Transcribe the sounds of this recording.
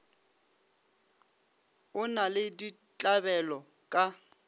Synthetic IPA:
ʊnalɪdi | t͡ɬʼabɛlɔ | kʼa

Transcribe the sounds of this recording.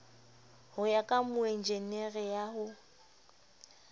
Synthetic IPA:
hʊjakʼamʊen̩d͡ʒeneɣɛjaɦʊ

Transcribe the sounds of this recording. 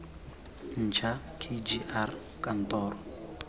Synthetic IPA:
n̩t͡ʃʰa | kʰʼed͡ʒiʔar | kʼant̪ɔːɾɔ

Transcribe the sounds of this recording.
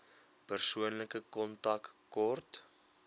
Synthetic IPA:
pərsuənləkəkɔntɐkkɔrt

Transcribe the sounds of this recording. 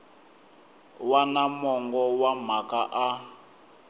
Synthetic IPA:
wanamɔŋɡɔwam̤akaʔa

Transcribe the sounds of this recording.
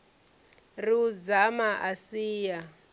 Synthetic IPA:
rid͡zamaʔasiːja

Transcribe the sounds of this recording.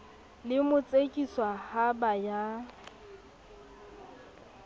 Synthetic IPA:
lɪmʊt͡sʼekʼiswahabaja

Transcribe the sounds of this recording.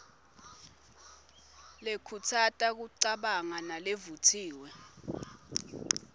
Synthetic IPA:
lekʰutʰatʼak̬uǀaɓaŋanalevutʰiːwɛ

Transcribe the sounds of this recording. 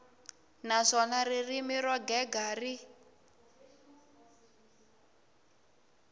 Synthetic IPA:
naʂɔnaririmiɾɔɡɛɡari

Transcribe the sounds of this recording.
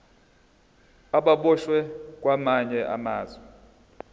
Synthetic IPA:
aɓaɓɔʃwɛkʼwamaɲɛʔa̰maːzwɛ

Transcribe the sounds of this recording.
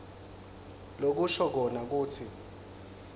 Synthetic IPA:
lok̬uʃɔk̬ɔnak̬uːt͡sʰi

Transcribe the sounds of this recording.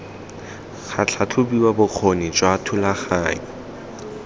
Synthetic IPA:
χʰat͡ɬʰat͡ɬʰʊbiwabʊq͡χʰonɪt͡ʃʼwaːtʰʊlaχaːɲɔ

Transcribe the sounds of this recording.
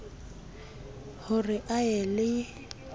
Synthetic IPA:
hʊrɪʔaɛlɪ

